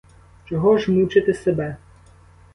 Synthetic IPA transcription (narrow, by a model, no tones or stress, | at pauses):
t͡ʃɔɦɔʒmut͡ʃɪt̪ɪsebɛ